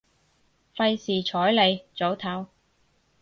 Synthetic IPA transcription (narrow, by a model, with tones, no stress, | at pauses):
fɐ˧jsiː˨t͡ʃʰɔː˨˥jle˨˧jt͡so˨˥wt̪ʰɐ˨˥w